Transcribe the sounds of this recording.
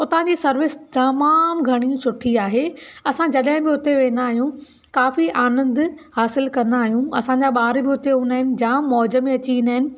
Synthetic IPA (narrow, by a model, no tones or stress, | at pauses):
ʊt̪ãɲd͡ʑiːsɐɾʋɪst̪ɐmaːmɡʱɐɽ̃isʊʈʰiaːɦeɐsãd͡ʑɐɗɦɪ̃bɪʊt̪eʋeːnaːɦijũ | kaːfiʔaːnə̃nd̪haːsɪlkɐɾnaːɦijũɐ̰sãɲd͡ʑaɓaːɾbɪʊt̪eɦũːnaːɦɪnɪ̆d͡ʑãːmɔːd͡ʑəmẽɐt͡ɕiĩːnd̪aːɦɪnɪ̆